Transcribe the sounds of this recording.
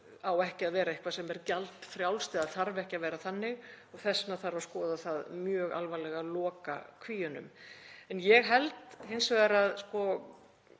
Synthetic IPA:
awɛhcɪaðvɛːɾaehkvasɛmɛɾcalt̪fɾjawlst̪ɪːðaðθaɾvɛhcavɛːɾaθanːɪɣɔɣθɛsnaθaɾvawskɔːðaθaðmjœːɣa̰lvalɛɣalɔːka̰kʰviːjʏnʏ̰mɛnjɛɣɦɛlt̪hejnsvɛɣðaɾaðskɔ

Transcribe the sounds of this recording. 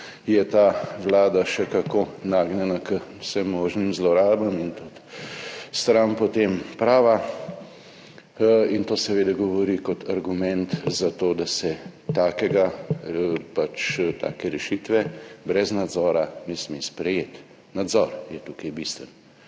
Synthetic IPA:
jɛt̪aːʋlaːd̪aʃɛkakonaɡnɛnakəsɛmːoːʒnimzlɔɾaːlbamint̪ut̪ | st̪ɾampɔt̪empɾaːʋa | int̪oːsɛʋeːd̪aɡɔʋɔɾikɔt̪ʰaɾɡumɛnt̪zat̪oːd̪asɛt̪aːkɛɡa | pat͡ʃt̪a̰ːkɛɾɛʃit̪ʋɛbɾɛznad̪zɔːɾanɛsmespɾɛjeːt̪ | nad̪zɔɾjɛt̪ukɐjbist̪ʋən

